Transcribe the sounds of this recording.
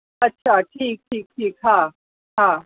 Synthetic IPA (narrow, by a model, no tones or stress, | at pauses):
ɐtːɕʰaʈʰiːk̚ʈʰiːk̚ʈʰiːkɦã | ɦã